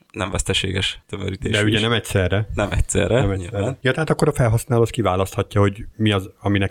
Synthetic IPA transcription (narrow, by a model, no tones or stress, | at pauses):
nɛɱvɛst̪ɛʃḛːɡɛʃt̪ømøɾiːt̪eːd̪ɛɛuɟɛnɛmɛcsɛrːɛnɛmɛcsɛ̰rːɛnɛmɛisɛrɛjɒt̪ɛɦaːt̪ɒkːo̞ɾɒfɛlɦɒsnaːloːskivaːlɒst̪hɒcːɒho̞ɟmiɒzɒminɛk